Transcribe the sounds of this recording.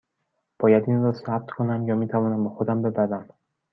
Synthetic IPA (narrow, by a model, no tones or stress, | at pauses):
b̥ɒːjæd̪inrɒːsæb̚t̪kʰo̞næmjɒːmiːt̪ʰævɒːnæmbexod̪æmbe̞bæɾæm